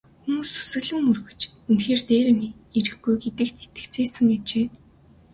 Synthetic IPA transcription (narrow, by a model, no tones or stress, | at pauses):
xumuːsu̥sɘ̆ɣɮɘ̆ŋːɵrɣɵ̆t͡ɕent̪xeːrt̪eːɾɘ̆mieɾɘ̆xɡujɡet̪ɘ̆kt̪ʰet̪ɘ̥̆kt͡sʰeːsɘ̆ŋɡet͡ɕeː